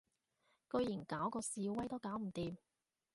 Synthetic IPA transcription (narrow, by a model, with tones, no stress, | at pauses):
kɵ˧ɥjiː˨˩nkaː˨˥wkɔː˧siː˧wɐ˥jt̪o˥kaː˨˥wm̩˨˩t̪iː˨˧m